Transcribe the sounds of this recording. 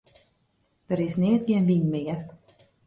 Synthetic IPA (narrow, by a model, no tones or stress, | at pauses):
d̥əɾɪsnɪːt̚ɡjenʋinmɪːər